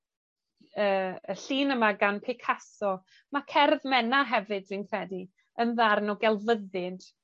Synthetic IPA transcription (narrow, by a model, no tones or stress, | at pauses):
əːəɬiːnəmaɡanpʰɪkʰasɔ | makʰɛrðmɛnaɦɛvɨdsɪnkʰrɛdi | ənðarnɔɡɛlˠvəðɨd̥